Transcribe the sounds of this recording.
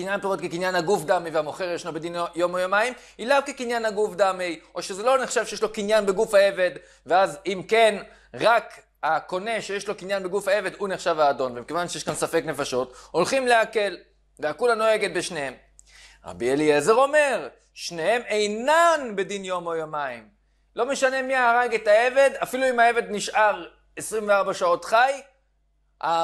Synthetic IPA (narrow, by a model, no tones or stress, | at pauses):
kinjanpeʁot̪̚kekinjanhaɡufd̪ameveamo̞χeʁjeʃlobed̪injo̞mojomaim | ilavkekinjanhaɡufd̪amejʔo̞ʃezelo̞neχʃavʃejeʃlo̞kinjanbeɡufhaeve̞d̪ | veazimke̞n | ʁak | hako̞ne̞ʃejeʃlo̞kinjanbeɡufaeve̞d̪uneχʃavaːdo̞nvemikevanʃejeʃkansafe̞kne̞faʃo̞t̪o̞lχimle̞ake̞l | veakulano̞e̞ɡe̞t̪̚beʃnehem | ʁa̰bieliezeʁo̞me̞ʁ | ʃnehe̞mejnanbe̞d̪injo̞mojomaim | lo̞meʃane̞miaːʁaɡet̪ae̞ve̞d̪afiluimae̞ve̞d̪niʃʔaʁ | esʁimveaʁbaʃao̞t̪χaj | a